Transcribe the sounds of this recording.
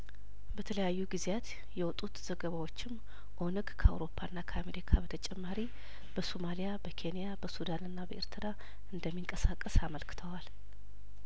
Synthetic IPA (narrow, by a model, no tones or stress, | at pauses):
bət̪ʰələjajːuɡizjat̪ | jɛwɔt̪ʼut̪z̥əɡəβawo̞t͡ʃːɪm | ʔo̞nɨɡkʰəa̰wɾo̞pʰːaɨnːakʰəame̞ɾikʰabət̪ʰət͡ʃʼɛmːaɾi | b̥əso̞malijabəkʰe̞nijabəsud̪anɨnːabəʔeɾt̪ʰɨɾa | ɨnd̪əmːiŋkʼəsakʼːəsaməlkʰɨ̥t̪ʰəwal